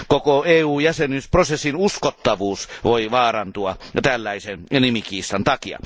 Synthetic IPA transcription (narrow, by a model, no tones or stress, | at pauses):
kokoeːuːjæsenisprosesːinuskot̪ːɑʋuːsʋoiʋɑːrɑnt̪uɑt̪ælːæisennimikiːsːɑnt̪ɑkiɑ̰